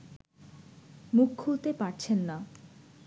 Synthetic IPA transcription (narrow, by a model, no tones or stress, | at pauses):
mukʰːult̪epaɾt͡ɕʰenːa